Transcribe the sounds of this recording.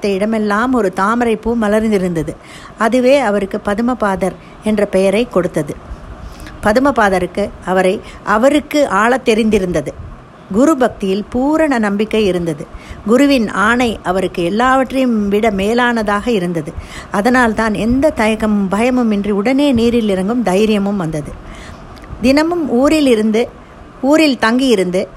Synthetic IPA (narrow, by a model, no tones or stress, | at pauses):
t̪ːɐɪɽɐmɛlːaːmɔɾɯt̪aːmɐɾɐɪpːɯmɐlɐɾnd̪ɪɾɯnd̪ɐðɯ | ɐðɯʋeːɐʋɐɾɯkːɯpɐðɯmɐpaːðɐɾ | ɛndrɐpɛjɐɾɐɪkɔɽɯt̪ːɐðɯ | pɐðɯmɐpaːðɐɾɯkːɯɐʋɐɾɐɪ | ʔɐʋɐɾɯkːɯʔaːɭɐt̪ːɛɾɪnd̪ɪɾɯnd̪ɐðɯ | ɡʊɾɯbɐk̚t̪ɪjɪlpuːɾɐɳɐnɐmbɪkːɐɪɪɾɯnd̪ɐðɯɡʊɾɯʋɪnaːɳɐɪʔɐʋɐɾɯkːɯɛlːaːʋɐʈːrɐjɯmʋɪɽɐmeːlaːnɐðaːɣɐɪɾɯnd̪ɐðɯɐðɐnaːlt̪aːnɛnd̪ɐt̪ɐjɐɣɐmɯbɐjɐmɯmɛndriʊɽɐneːniːɾɪlɪɾɐŋɡɯmd̪ɐjɾɪjɐmɯmʋɐnd̪ɐðɯ | d̪ɪnɐmɯmuːɾɪlɪɾɯnd̪ɯ | uːɾɪlt̪ɐŋɡijɪɾɯnd̪ɯ